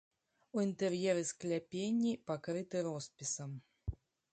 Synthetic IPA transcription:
uint̪ɛrjɛɾɨsklʲapʲenʲːipakɾɨt̪ɨɾɔspʲisɐm

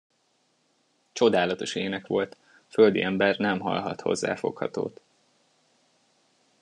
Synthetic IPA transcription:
t͡ʃo̞d̪aːlɒt̪o̞ʃeːnɛkʋo̞lt̪ | fø̞ld̪iʔɛmbɛrnɛmɦɒ̰lɦɒt̪ho̞zːa̰ːfo̞khɒ̰t̪o̰ːt̪

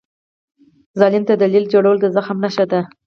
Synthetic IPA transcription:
zɑlint̪ad̪alild͡ʒoɽawəld̪əzaxmnaʃad̪a

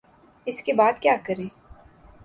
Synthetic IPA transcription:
ɪskebaːd̪kjaːkɐɾẽː

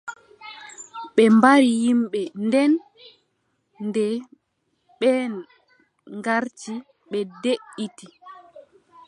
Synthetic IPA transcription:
ɓɛmbaɾijimɓɛndɛn | ndɛ | ɓɛn | ŋɡaɾt͡ʃi | ɓɛdeʔiti

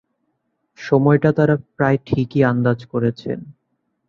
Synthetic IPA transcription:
ʃɔmɔeʈat̪aɾapɾaeʈʰikiand̪ad͡ʑkoɾet͡ɕʰḛn

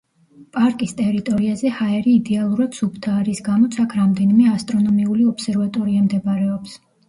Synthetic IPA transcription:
pʼaɾkʼist̪ʼɛɾit̪ʼɔɾiazɛhaɛɾiːd̪ɛalˠuɾad̪̥supʰt̪ʰaːɾisɡamɔt̪sʰakʰɾamd̪ɛnimɛast̪ʼɾɔnɔmiuliɔpsɛɾvat̪ʼɔɾiamd̪ɛbaɾɛɔps

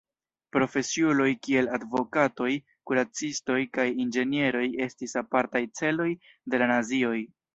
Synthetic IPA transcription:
pɾo̞fe̞siulo̞jkie̞ladvo̞kato̞j | kuɾat͡sisto̞jkajind͡ʒe̞nie̞ɾo̞je̞stisapaɾtajt͡se̞lo̞j | de̞lanazio̞j

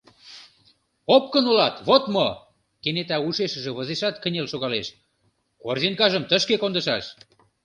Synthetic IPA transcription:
op̚kənolɑt̪βot̪mo | kenet̪ɑuʃeʃə̆ʒĕβə̆zeʃɑt̪kə̆nʲelʃoɣɑleʃ | korziŋkɑʒə̆mt̪ə̆ʃkekond̪ə̆ʃɑʃ

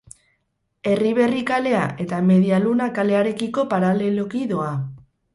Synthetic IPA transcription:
e̞riβ̞e̞rikale̞aʔe̞t̪ame̞ðialunakale̞aɾe̞kiko̞paɾale̞lokiðoa

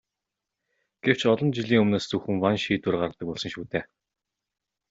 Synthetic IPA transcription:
ɡ̥ew̥t͡ɕɔɮɞ̆nt͡ɕiɮiːŋɵmnoːst͡suxɘ̆ŋwanʃiːt̪ʊrɢarə̆t̪ə̆k̚pɔɮsə̆ŋʃuːt̪eː

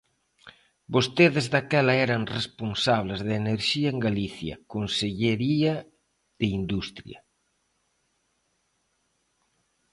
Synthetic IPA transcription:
bost̪eðɪzðakɛlɐɛɾɐŋresponsaβ̞lezðɪeneɾʃiɐeŋɡaliθjɐ̰konseʎeɾiɐ | ðeind̪ust̪ɾjɐ̰

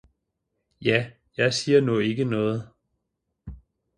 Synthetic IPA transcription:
jæ | jɑ̈ɪsiːɐnɔe̝ɡ̥ənɔ̽ːð̞̩ˠ

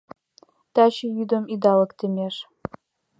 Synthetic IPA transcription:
t̪ɑɕejyd̪ə̆mid̪ɑlɤ̆kt̪ɘ̆mʲeʂ

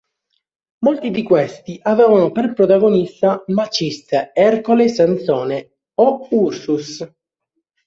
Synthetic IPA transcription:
molt̪id̪ikwest̪iʔavɛːvanoperpɾot̪aɡonist̪amat͡ʃist̪ɛrkolesant̪sɔːne | oursus

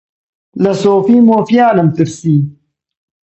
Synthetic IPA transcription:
lɐsoːfiːmoːfjaːnɐmt̪iɾsiː

